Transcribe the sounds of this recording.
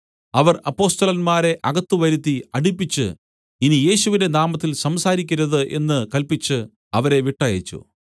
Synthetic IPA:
ɐʋɐrɐpːo̞ːst̪ɐlɐnmaːɾe̞ʔɐɣɐt̪ːuʋɐɾut̪ːiɐɽipːit͡ɕːɨ̰ | inije̞ːɕuʋinde̞naːmɐt̪ːilsɐmsaːɾikʲːiɾɐðɨʔe̞̰nːɨkɐlpit͡ɕːɨ | ɐʋɐɾe̞ʋiʈːɐjɐ̰t͡ɕːṵ

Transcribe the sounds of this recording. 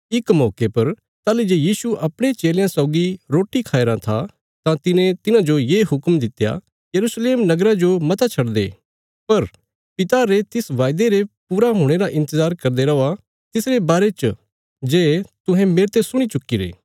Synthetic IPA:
ɪkmɔːkepɐɾ | t̪aːlid͡ʒeːjiːsuʔɐpɽ̃ẽt͡ʃeːljãsɔʊɡiɾoːʈikʰaːeɾãt̪ʰa | t̪ãt̪ɪnẽt̪ɪnãd͡ʒojeːɦʊkmd̪ɪt̪ja̰ | jɐɾuːsleːmnɐɡɾãd͡ʒomɐt̪at͡ʃʰɐɽd̪ḛː | pɐɾ | pɪt̪aɾet̪ɪsʋaːjd̪eɾepuːɾaɦoːɽ̃eɾaʔɪ̃nt̪əzaːɾkɐɾd̪eɾɐʋa | t̪ɪsɾebaːɾet͡ʃ | d͡ʒeːt̪ʊ̃ɦɛ̃meːɾt̪esʊɽ̃it͡ʃʊkːiɾḛː

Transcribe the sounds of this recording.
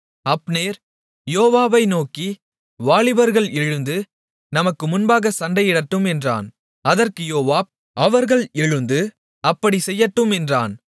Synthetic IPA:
ɐpːneːɾ | joːʋaːbɐɪnoːki | ʋaːɭɪbɐɾɣɐɭɛɻɯnd̪ɯ | nɐmɐkːɯmʊnbaːɣɐsɐɳɖɐjɪɽɐʈːɯmɛndra̰ːn | ɐðɐrkɯjoːʋaːb̚ | ʔɐʋɐɾɣɐɭɛɻɯnd̪ɯ | ɐpːɐɽisɛjːɐʈːɯmɛndraːn

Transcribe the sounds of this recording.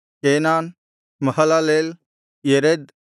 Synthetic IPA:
keːnaːn | mɐhəlaleːl | jeɾed̪

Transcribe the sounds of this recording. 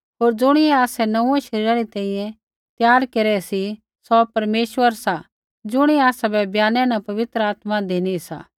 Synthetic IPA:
ɦoːɾd͡ʒʊɽ̃ɪɛaːsɛnɐ̃ũɛʃɐɾiːɾaɾit̪ɛ̃ːĩjɛ̃ | t̪jaːɾkeɾɛsi | sɔpɐɾmeːʃʋəɾsa | d͡ʒʊɽ̃iaːsabɛbjaːnɛ̃nãpɐʋɪt̪ɾəaːt̪mad̪eːnisa̰ː

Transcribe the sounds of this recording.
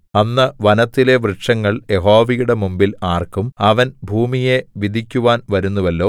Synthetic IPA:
ɐnːɐʋɐnɐt̪ːile̞ʋrɨʈʂɐŋːɐɭje̞ɦo̞ːʋijuɽe̞mumbilaːrkumɐʋɐnbʱuːmije̞ʋid̪ʱikʲːuʋaːnʋɐɾunːuʋɐlːo̞ː

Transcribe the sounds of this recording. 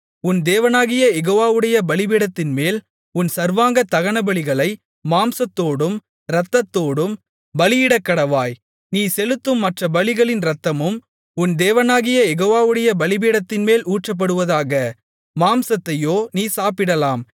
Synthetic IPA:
ʊnd̪eːʋɐnaːɣɪjɐjɛɣoːʋaːʋɯɽɐjɐbɐɭɪbiːɽɐt̪ːɪnmeːl | ʊnsɐɾʋaːŋɡɐt̪ːɐɣɐɳɐbɐɭɪɣɐɭɐɪ | maːmsɐt̪ːoːɽɯm | ɾɐt̪ːɐt̪ːoːɽɯm | bɐlɪjɪɽɐkːɐɽɐʋaːj | niːsɛlɯt̪ːɯmːɐʈrɐbɐɭɪɣɐɭɪnɾɐt̪ːɐmɯm | ʊnd̪eːʋɐnaːɣɪjɐjɛɣoːʋaːʋɯɽɐjɐbɐɭɪbiːɽɐt̪ːɪnmeːluːʈrɐp̬ːɐɽɯʋɐðaːɣɐ | maːmsɐt̪ːɐjoːniːsaːpɪɽɐlaːm

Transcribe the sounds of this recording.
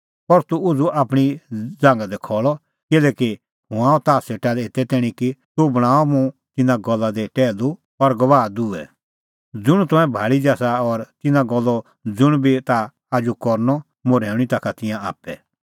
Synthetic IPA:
pɔɾt̪uʊd͡zuʔaːpɽ̃id͡zãːŋɡad̪ɛkʰɔːɭɔ | kɪlɛːki | ɦʊ̃aːɔt̪aːseʈaleːt̪ɛt̪ɛːɽ̃ĩkit̪ubɐɽ̃aːɔmũt̪ɪnãɡɔlːad̪ɛʈɛːlu | ɔɾɡɐʋaːd̪uɛ̰ | d͡zʊɽ̃t̪ɔ̃ɛ̃bʱaːɭid͡ʒaːsaɔɾt̪ɪnãɡɔlːɔ | d͡zʊɽ̃bʱit̪aː | d͡ʒukɔɾnɔ | moɾɛːʊɽ̃ĩt̪akʰat̪ɪ̃jãa̰ːpːɛ

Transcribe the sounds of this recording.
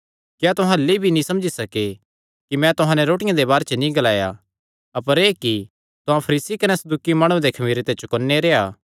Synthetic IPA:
kjat̪ʊɦãlːibʱinĩsɐ̃md͡ʒisɐke | kimɛ̃t̪ʊɦãnɛɾoːʈɪjãd̪ebaːɾet͡ʃənĩɡɐlaːja | ɐpəɾeːki | t̪ʊɦãpʰɐɾiːsikɐnɛsɐd̪uːkimaːɽ̃ũd̪ekʰɐmiːɾet̪et͡ʃʊkɔnːeɾeːaː

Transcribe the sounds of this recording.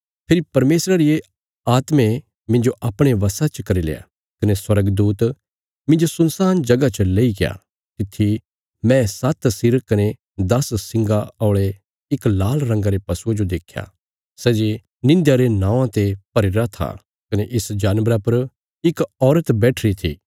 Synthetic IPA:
pʰɪɾipɐɾmeːsɾaɾɪe | aːt̪mẽ | mɪ̃nd͡ʒoʔɐpɽ̃eʋɐsat͡ʃəkɐɾilḛːa̰ | kɐneswɐɾəɡd̪uːt̪ | mɪ̃nd͡ʒosʊ̃nsaːnd͡ʒɐɡat͡ʃəleːiɡɪja̰ | t̪ɪt̪ʰːi | mɛ̃sɐt̪sɪɾkɐne | d̪ɐssɪ̃ŋɡaɔːɭe | ɪklaːlɾɐ̃ŋɡaɾepɐsuad͡ʒod̪eːkʰja̰ | sɛːd͡ʒe | nɪ̃nd̪jaɾenãːʋãt̪epɐɾɪɾat̪ʰa̰ | kɐneʔɪsd͡ʒaːnʋɾapɐɾ | ɪkɔːɾət̪bɛːʈʰɾit̪ʰḭː

